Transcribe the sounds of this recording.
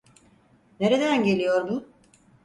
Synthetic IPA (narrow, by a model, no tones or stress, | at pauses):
ne̞ɾed̪ænɟe̞lʲijo̞ɾb̪ʊ